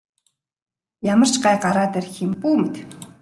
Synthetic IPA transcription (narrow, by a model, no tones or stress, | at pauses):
jamə̆r̥t͡ɕɢajɢaɾaːt̪erximpuːmɘ̆t̪